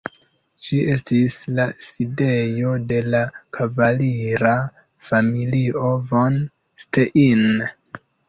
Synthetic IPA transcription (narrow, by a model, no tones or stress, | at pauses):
ʃie̞stislaside̞jo̞de̞lakʰavaliɾa | familio̞von | steʔin